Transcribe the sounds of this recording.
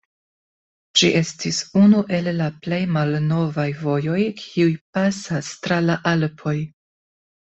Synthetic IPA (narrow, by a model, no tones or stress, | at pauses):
d͡ʒiʔe̞stisunuʔe̞lːaple̞jmalno̞vajvo̞jo̞jkʰiujpasastɾalaʔalpʰo̞j